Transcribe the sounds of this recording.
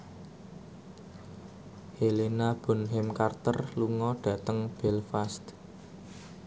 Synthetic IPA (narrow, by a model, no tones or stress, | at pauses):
helenab̥ʊ̤nɦɪmkart̪ərluŋɔɖ̥ä̤t̪əŋb̥ɛlfast̪